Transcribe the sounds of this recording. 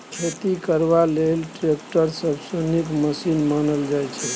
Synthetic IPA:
kʰet̪ikəɾbalelʈɾekʈəɾsəbsənikməsinmanəld͡ʒajt͡ʃʰɛ

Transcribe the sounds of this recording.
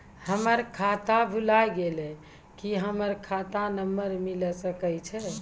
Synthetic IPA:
həməɾkʰat̪abʱulajɡelɛ | kiɦəməɾkʰat̪anəmːəɾmiləsəkət͡ʃʰɛ

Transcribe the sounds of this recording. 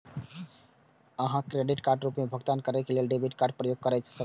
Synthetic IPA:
əɦãkɾeɖiʈkaɾɖɾupmebʱɔɡt̪ankɔɾejkelelɖebʱiʈ̚kaɾɖ̚pɾɔjoɡ̚kɔɾajt͡ʃʰsɔ

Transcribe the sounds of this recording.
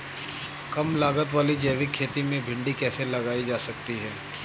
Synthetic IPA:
kɐmlaːɡət̪ʋaːlid͡ʒɛːʋɪkʰːeːt̪imẽbʱɪ̃ɳɖikɛːselɐɡaːid͡ʒaːsɐk̚t̪iɦɛː

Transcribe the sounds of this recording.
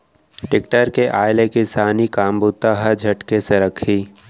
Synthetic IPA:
ʈɪkʈəɾkeʔaːɪlekɪsaːnikaːmbut̪ːaɦəd͡ʒʱɐʈkeseɾəkʰiː

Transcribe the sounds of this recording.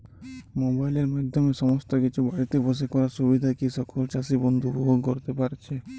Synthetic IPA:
mobaileɾmad̪ʱjɔmesɔmɔst̪ɔkit͡ʃʰubɔjt̪ibɔs̬ekɔɾaɾsubid̪ʱakisɔkɔlt͡ʃasibɔnd̪ʱububoɡkɔɾt̪epaɾt͡ʃʰe

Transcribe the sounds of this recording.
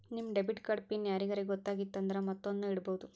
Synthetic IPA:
nimːɖebiʈkɐɽpinjaːɾiɡɐɾeɡɔt̪ːaːɡit̪ːɐnd̪ɐɾemɐt̪ːonduiɽɐbɐʋud̪u

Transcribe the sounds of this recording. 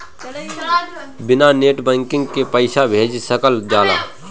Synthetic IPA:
bɪnaneːʈbɛ̃ːŋkɪ̃ŋɡkepəɪʃabʱeːd͡ʒsəkəld͡ʒaːla̰ː

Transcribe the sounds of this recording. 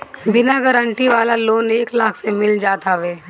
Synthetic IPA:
bɪnaɡəɾə̃ɳʈiʋaːlaloːneːklaːkʰsemɪld͡ʒaːt̪aʋeː

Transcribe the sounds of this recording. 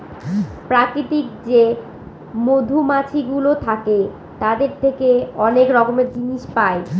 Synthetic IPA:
pɾakɾit̪ikd͡ʑe | mod̪ʱumat͡ɕʰiɡulot̪ʰake | t̪ad̪eɾt̪ʰekeɔnekɾɔkomeɾd͡ʑiniʃpae

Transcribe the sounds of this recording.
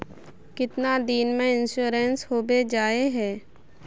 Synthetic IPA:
kɪt̪nad̪iːnmẽɪnʃuːɾensɦoːbed͡ʒaːeɦɛː

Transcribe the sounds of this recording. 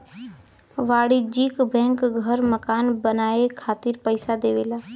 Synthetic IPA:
ʋaːɽid͡ʒiːkbɛ̃ːŋkɡʱəɾməkaːnbənaːekʰaːt̪ɪɾpəɪsad̪eːʋeːlaː

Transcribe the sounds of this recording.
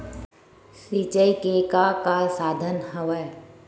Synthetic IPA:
sit͡ʃəikekakaːlsaːd̪ʱənɦəʋəj

